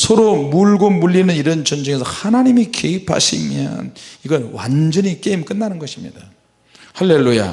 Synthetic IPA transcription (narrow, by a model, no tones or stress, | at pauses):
sʰʌɾomuɭɡomuʎːinɯniɾʌnt͡ɕʌnd͡ʑʌŋesʰʌhanaɲimike̞ipʰa̰ɕʰḭmjʌ̰niɡʌɭwa̰nd͡ʑʌɲik͈eimk͈ɯnːanɯnɡʌɕʰimɲḭda | halːe̞lːuja̰